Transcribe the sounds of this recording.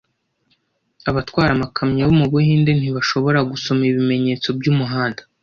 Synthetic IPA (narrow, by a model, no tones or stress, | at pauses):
aβatwaːɾamakʰamɲaβomuβuhiːnden̥iβaʃo̞βo̞ɾaɡuso̞miβime̞ɲe̞ːt͡so̞bjuːmuɦaːndḁ